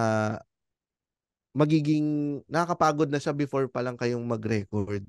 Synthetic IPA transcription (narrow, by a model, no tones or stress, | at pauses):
a | mɐɡiːɡɪŋnɐakɐpaːɡod̪̚nɐʃabɪfo̞ɹpɐlɐŋkɐjoŋmɐɡɾɛkoɹd̪̚